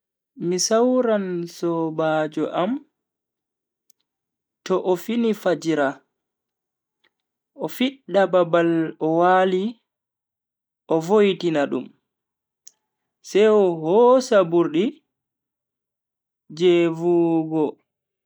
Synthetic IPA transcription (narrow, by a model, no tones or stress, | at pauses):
misawɾansɔbaːd͡ʒɔʔam | tɔʔɔfinifad͡ʒiɾa | ʔɔfiɗːababalɔwaːli | ʔɔvojtinaɗṵm | sɛjɔhɔsabuɾɗi | d͡ʒevuɡɔ